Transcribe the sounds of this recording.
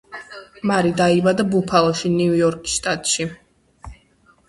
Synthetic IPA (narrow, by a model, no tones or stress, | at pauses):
maɾid̪aibad̪abupʰalˠɔʃiniujɔɾkʼi̥sʃt̪ʼat̪ʼʃi